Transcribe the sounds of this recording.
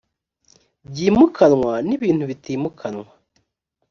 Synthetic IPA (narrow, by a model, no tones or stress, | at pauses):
bɟiːmukʰanŋwaniβiːn̥huβitiːmukʰanŋwa